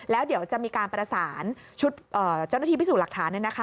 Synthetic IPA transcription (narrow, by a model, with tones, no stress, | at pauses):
lɛː˦˥wdi˩˦əwt͡ɕa˨ʔmiː˧kaː˧npɾa˧saː˩˦n | t͡ɕʰu˦˥t̪̚ʔɤː˨˩t͡ɕa˥˩na˥t̪iː˧piː˦˥suː˨˩la˨˩k̚t̪ʰaː˩˦nːa˥˩na˦kʰa˦